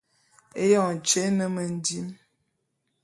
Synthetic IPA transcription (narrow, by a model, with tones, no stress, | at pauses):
e˦jɔ˨n˨t͡ʃe˨˦nə˨mə˨n̩˦di˦m